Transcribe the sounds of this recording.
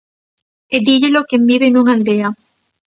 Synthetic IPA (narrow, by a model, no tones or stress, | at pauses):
ed̪iʎelokembiβenuŋaiðea